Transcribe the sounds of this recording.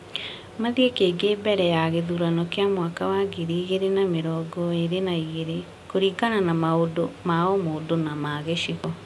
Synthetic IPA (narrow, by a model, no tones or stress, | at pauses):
maðiekeːɡeːbɛɾɛjaɣeðuɾanɔkeamwakawaɡiɾiːɣeɾenameɾɔːɡɔeɾenaiɣeɾe | koɾikananamaodomaɔmodonamaɣeʃiɣɔ